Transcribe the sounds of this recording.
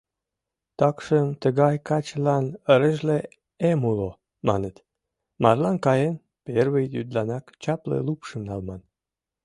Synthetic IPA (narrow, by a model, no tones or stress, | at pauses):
t̪ɑkʃəmt̪əɣɑjkɑt͡ɕlɑnəɾəʒle | emulo | mɑ̰nət̪ | mɑrlɑnkɑjen | perβəjjyd̪lɑnɑkt͡ɕɑplḛlupʃə̆mnɑlmɑn